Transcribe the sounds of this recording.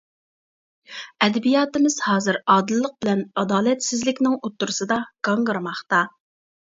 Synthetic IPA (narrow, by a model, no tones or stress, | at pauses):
ɛd̪ɛbijɑːt̪ɪmɪz̥hɑːzɨɾɑːd̪ɨlˠːəq̚bɪlɛnɑd̪ɑːlɛt̪sɪzlɪkʲnɪŋot̪ːuɾɨsɨd̪ɑɡ̥ɑɴʁəɾɨmɑχt̪ɑ